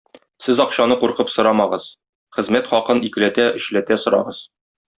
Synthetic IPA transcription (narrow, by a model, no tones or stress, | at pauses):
sɘzɒqɕɑnɤquɾqɤpsŏɾɑmɑʁɤz | χɘ̆zmæt̪χɒqɤnikɘ̆læt̪æɘ̆ɕlæt̪æsŏɾɑ̰ʁɤz̥